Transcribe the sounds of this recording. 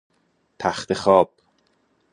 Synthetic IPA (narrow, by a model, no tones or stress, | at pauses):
t̪ʰæxt̪ʰexɒːb̥̚